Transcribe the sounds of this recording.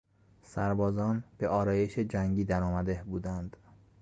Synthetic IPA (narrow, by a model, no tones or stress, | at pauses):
sæɾbɒːzɒːnb̥e̞ʔɒːɾɒːje̞ʃed͡ʒæŋɟiːd̪æɾɔːmæd̪e̞hbuːd̪ænd̪̥